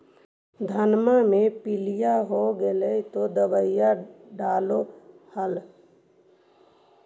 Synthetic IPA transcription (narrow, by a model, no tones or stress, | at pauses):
d̪ʱənmamẽpɪlijaɦoɡeleit̪od̪əbəɪjaɖaːlo | həl